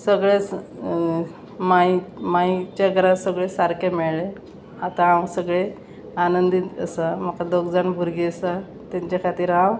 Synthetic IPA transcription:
səɡɭet͡s | majmait͡ɕaɡʱəɾasəɡɭesaɾkʰemeɭɭe | at̪ããwsəɡɭe | anənd̪it̪əsam̤akad̪oɡd͡zaɳbʱuɾɡiəsa | t̪aɲt͡ɕakʰat̪iːɾãw

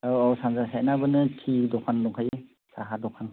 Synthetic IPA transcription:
ɔɔsanzasanabɯnɯtʰidɔkʰanlɔŋkʰaje | saɦadɔkʰan

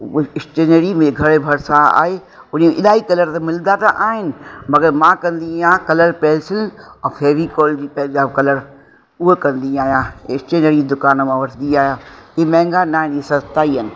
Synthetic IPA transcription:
ɪsʈeːnəɾimẽɡʱɐɽebʱɐɾsãa̰ːɦe | ʊniẽʔɪɗaːikɐləɾt̪ɐmɪld̪at̪aʔaːɦɪnɪ̆mɐɡəɾmãkɐ̃nd̪iãkɐləɾpɛːlsɪlɛ̃ːfʰeːɾikoːld͡ʑiːpɛɦd͡ʑaːbkɐləɾ | ʊɦekɐ̃nd̪iaːɦijãɪsʈeːnəɾid̪ʊkaːnmãʋɐʈʰnd̪iaːɦijãkemɛ̃ːŋɡanaːɦɪnisɐst̪aːiɦənɪ̆

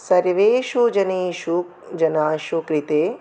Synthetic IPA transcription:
sɐɾʋeːʃud͡ʒɐneːʃu | d͡ʒɐnaːʃukɾit̪eː

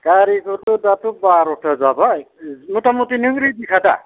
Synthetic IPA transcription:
kaɾikɔtudatʊbaɾɔtʰazabaj | mutamutinɯŋɾidikʰada̰

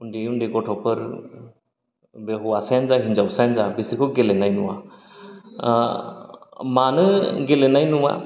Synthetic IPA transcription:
undiundiɡɔʈʰɔpəɾ | bɛɦɔasajanzaɦind͡ʒawsajnzabisɾikʰɔɡɛlɛnajnuwa̰ | manɯɡɛlɛnajnuwa̰

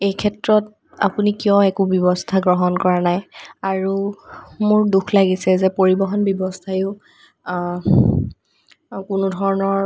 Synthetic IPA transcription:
ejkʰɛtɹɔt̚ | a̰punikijɔ̃ɛkubjɔbɔstʰaɡɹɔɦɔnkɔɹanajaɹu | mʊɹdukʰlaɡisɛzɛpoɹibɔɦɔnbjɔbɔstʰajʊ | kʊnʊdʱɔɹɔnɔɹ

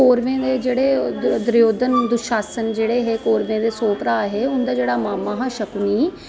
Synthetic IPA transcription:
oːɾʋẽːd̪eːd͡ʒeːɽeːd̪ʊɾjoːd̪ənd̪ʊʃaːsənd͡ʒeːɽeːɦeːkoːɾʋẽːd̪eːsoːpɾaːɦeːʊnd̪aːd͡ʒeːɽaːmaːmaːɦaːʃəkniː

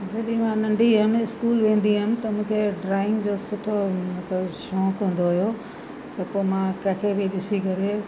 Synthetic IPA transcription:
d͡ʑɐɗĩmãnɐ̃ɳɖʱiɦɐmɪskuːlʋẽːn̆d̪imɪ̃t̪ɐmũːkʰeɖɾaːɪ̃ŋɡd͡ʑoːsʊʈʰomɐt̪ləbʃɔ̃ːkɦũn̆d̪oɦʊjo | t̪ɐpoːmãkɐ̃ɦɪ̃kʰebɪɗɪsikɐɾe

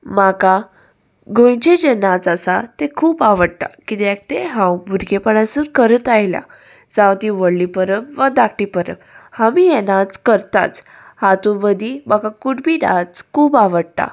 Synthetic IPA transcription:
maka | ɡʱõjt͡ɕed͡ʑenat͡sasat̪ekʰuːpaʋəɽ̚t̪a̰kit̪ɛk̚t̪eɦãwbʱuɾɡepəɽãsuɾkəɾət̪ajlja̰ | d͡zawt̪iʋəɽlipəɾəmʋəd̪akʰʈipəɾə̰mhamijɛnat͡skəɾt̪a̰t͡s | hat̪uʋəd̪ibakãkuʈbʱiːnat͡skʰuːpaʋəɽt̪a̰

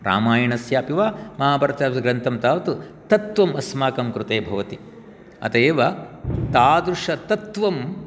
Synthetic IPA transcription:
ɾa̰ːmaːjɐɳɐsjaːpiʋaːmɐɦaːbɐɾɐt̪aːʋiɡɾɐnt̪ʰɐmt̪aːʋɐt̪u | t̪ɐt̪ʋɐmɐsmaːkɐmkɾut̪eːbʱɐʋɐt̪i | ɐ̰t̪eːʋɐt̪aːd̪ɾuʂɐt̪ɐt̪ʋɐm

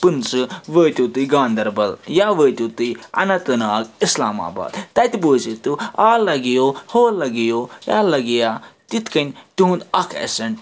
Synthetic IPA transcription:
pɨnt͡sɨʋəːt̪ʲut̪ɨɡãːnd̪ɐɾbɐljaːʋəːt̪ut̪ɨɐ̰nɐt̪ɨnaːɡisla̰ːma̰ːba̰ːd̪t̪ɐt̪ʲboːsit̪uaːlɐɡijoːhoːlɐɡijoːja̰ːlɐɡijaːt̪it̪kɐnʲuɦũnd̪ɐkʰɐ̰sɐɳ

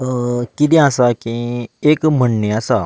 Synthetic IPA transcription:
kit̪̬ĩasakĩekm̤əɳneasa

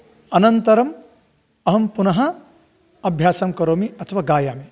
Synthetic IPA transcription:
ɐnɐnt̪ɐɾɐm | ɐɦɐmpunɐɦɐ | ɐbʱjaːsɐmkɐɾoːmiɐt̪ʰɐʋaːɡaːjaːmi

